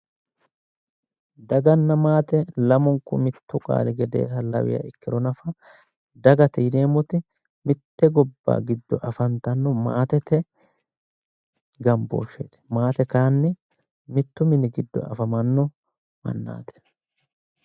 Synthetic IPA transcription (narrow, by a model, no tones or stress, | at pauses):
d̪ɐɡɐnːɐmaːt̪ɛlɐmɔŋkʊmɪt̪ːʊkʼa̰ːlɪɡɛd̪ḛːɦɐlɐ̰wɪ̰jɐ̰ɪkːɪɾɔnɐfɐ | d̪ɐɡɐt̪ɛjd̪eːmɔt̪ɪ | mɪt̪ːɛɡɔbːa̰ːɡɪd̪ːɔʔɐfɐnt̪ɐnːɔma̰ːt̪ɛt̪ɛ | ɡɐmbo̰ːʃeːt̪ɛ̥maːt̪ɛkaːnːɪ | mɪt̪ːʊmɪnɪɡɪd̪ːɔ̰ɐ̰fɐmɐnːɔ | mɐ̰nːa̰ːt̪ɛ̥